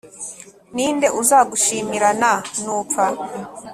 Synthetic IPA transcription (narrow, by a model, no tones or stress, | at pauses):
niːnde̞ʔuzaːɡuʃiːmiɾananuːpa